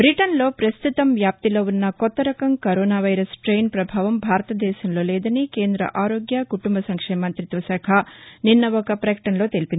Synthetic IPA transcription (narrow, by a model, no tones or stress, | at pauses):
bɾiʈɐnlo̞ːpɾɐst̪ʰut̪ɐmʋjaːp̚t̪iloʋunːɐkɔt̪ːɐɾɐkɐmkɐɾoːnaːʋɐjɾɐsʈɾe̞ːjnpɾɐbʱaːʋɐmbʱaːɾɐt̪ɐd̪ɛːʃɐmlo̞ːlɛːd̪ɐnikeːnd̪ɾɐ̰ʔaːɾo̞ːɡjɐkuʈumbɐsɐŋkʂeːmɐnt̪ɾit̪ʋɐsɐkʰɐninːɐɔkɐpɾɐkɐ̥ʈɐnɐlo̞ːt̪elipin